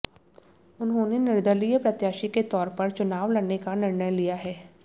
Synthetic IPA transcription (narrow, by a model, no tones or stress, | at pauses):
ʊnɦõːnenɪɾd̪əlijəpɾɐt̪jaːʃiket̪ɔːɾpɐɾt͡ʃʊnaːʋlɐɽnekanɪɾnəjlijaɦɛː